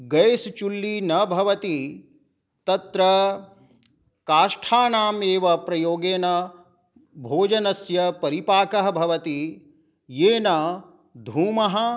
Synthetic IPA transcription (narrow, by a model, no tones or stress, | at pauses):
ɡɐjst͡ʃulːinɐbʱɐʋɐt̪i | t̪ɐt̪ɾɐ | kaːʃʈʰaːnaːmeːʋɐpɾɐjoːɡeːnɐ | bʱoːd͡ʒɐnɐsjɐpɐɾipaːkɐɦɐbʱɐʋɐt̪i | jeːnɐ | d̪ʱuːmɐɦɐ̆